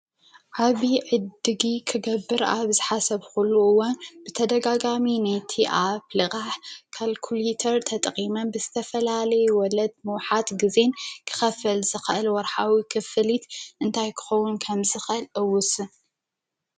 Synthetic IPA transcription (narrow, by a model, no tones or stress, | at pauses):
ʕaβiʕɨd̪ɨɡikʰɨɡɐbːɨɾa̰βzɨħasɐβxulːuɨwːanbɨt̪ʰɐd̪ɐɡaɡaminajt̪ʰiʔaplɨkʼaħkʰalkʰulet̪ʰɐɾt̪ʰɐt̪ʼqʼimɐnbɨzɨt̪ʰɐfɐlalɐjuwɔlɐd̪̚mɨwħat̪ɡɨze̞nkʰɨ̥xɐfɐlzɨxɨʔɨlwɔɾħawikʰɨfɨlit̪ʔɨnt̪ʰajkʰɨ̥xɐwunkʰɐmzɨxʔɨlʔɨwʊsɨ